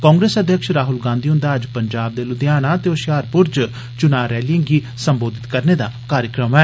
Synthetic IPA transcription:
kɔ̃ːŋɡɾeːsəd̪jəkʃɾaːɦʊlɡãːnd̪iːɦʊ̃nd̪aːəd͡ʒpəɲd͡ʒaːb̚d̪eːlʊd̪jaːnaːt̪eːoʃjaːɾpʊɾd͡ʒ | t͡ʃʊnaːɾɛːliə̃ŋɡiː | səmboːd̪ɪt̪kəɾneːd̪a̰ːkaːɾjəkɾəmɛː

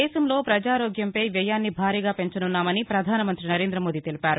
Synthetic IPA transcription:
ɛːsɐmlo̞ːpɾɐd͡ʒaːɾoːɡjɐmpɐjʋɛːjaːnːibʱaːɾiːɡaːpe̞ɲt͡ʃɐnunːaːmɐnipɾɐd̪ʱaːnɐmɐnt̪ɾinɐɾe̞ːnd̪ɾɐmoːd̪iːt̪e̞lipaːɾu

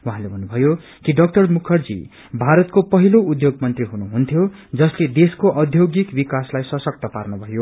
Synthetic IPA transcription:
wuɦãlebʱʌnːubʱʌjo | kiɖʌk̚ʈʌrmukʰʌrd͡zḭ | bʱaɾʌt̪kopʌɦiloud̪joɡmʌnt̪riɦunuɦunt̪ʰjod͡zʌsled̪eskoʔʌd̪ʱjoɡikbikaslajsʌsʌk̚t̪ʌparnʌbʱʌjo

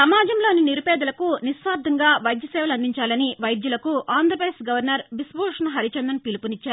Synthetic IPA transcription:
sɐmaːd͡ʒɐmlo̞ːniniɾupɛːd̪ɐlɐkunisʋaːɾd̪ʱɐŋɡaːʋɐjd̪jɐsɛːʋɐlɐnd̪iɲt͡ʃaːlɐniʋɐjd̪jɐlɐkuaːnd̪ɾɐpɾɐd̪esɡɐʋɐɾnɐɾʋisboːʂɐnɐɦɐɾit͡ʃɐnd̪ɐnpilipunit͡ʃːaːɾ

